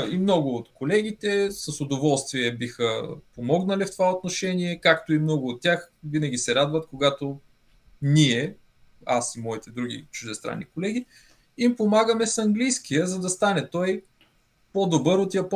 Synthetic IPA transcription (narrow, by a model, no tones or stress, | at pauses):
imnɔɡʊːt̪kolɛɡ̟it̪ɛsəsod̪ovɔlˠst̪viɛbixə̰pomɔɡnəlift̪ovaot̪noʃɛniɛkakt̪oimnɔɡʊot̪ːʲjaxvinɐɡʲisɛɾad̪vɐt̪koɡat̪o | niɛ | asimɔit̪ɛd̪ɾuɡ̟ʲḭt͡ʃʊʒd̪ɛst̪ɾa̰nːikolɛɡʲi | impomaɡəmɛsɐŋɡlijsk̟ijəzɐd̪ɐst̪anɛt̪ɔj | pod̪obɤɾot̪jɐp